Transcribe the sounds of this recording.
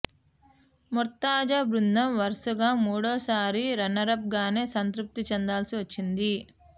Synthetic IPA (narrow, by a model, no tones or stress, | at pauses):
muɾt̪ːaːd͡ʒaːbɾund̪ɐmʋɐɾsuɡaːmuːɽɔːsaːɾiɾɐnɐɾɐb̚ɡaːne̞ːsɐnt̪ɾup̚t̪it͡ʃɛnd̪aːlsiʋɐt͡ʃːind̪i